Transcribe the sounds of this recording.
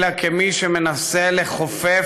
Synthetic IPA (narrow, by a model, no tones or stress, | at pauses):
lakʰemiʃeme̞naseleχofe